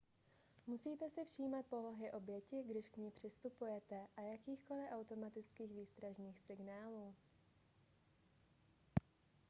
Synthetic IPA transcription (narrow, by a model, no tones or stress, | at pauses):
musiːt̪ɛsɪfʃiːmat̪̚po̞loɦɪʔo̞bjɛcɪɡdɪʃkɲiːpr̝̥ɪst̪upujɛt̪ɛʔajakiːxko̞lɪʔawt̪o̞mat̪ɪt͡skiːɣviːst̪ɾaʒniːxsɪɡnaːluː